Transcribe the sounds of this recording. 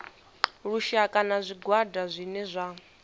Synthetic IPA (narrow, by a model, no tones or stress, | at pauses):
ɺuʃakʼanazʷiɡwadazʷinɛzʷa